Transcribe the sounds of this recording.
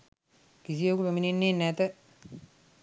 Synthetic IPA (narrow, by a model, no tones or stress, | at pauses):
kis̬ijokupeminenːenæt̪ə